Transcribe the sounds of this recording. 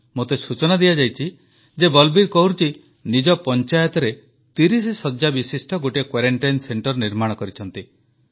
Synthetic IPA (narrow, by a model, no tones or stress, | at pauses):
mot̪esut͡ʃɔnad̪ijad͡ʒajt͡ʃʰi | d͡ʒebɔlbiɾkɔɦuɾt͡ʃʰi | nid͡ʒɔpɔnt͡ʃajɔt̪ɔɾe | t̪iɾis̬isɔd͡ʒjabisisʈɔɡoʈekwaɾeɳʈajnseɳʈɔɾniɾmaɽ̃ɔkɔɾit͡ʃʰɔnt̪i